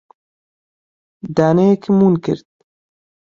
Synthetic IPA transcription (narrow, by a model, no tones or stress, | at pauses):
d̪aːnejekʰmuːnkɪ̰ɾt̪̚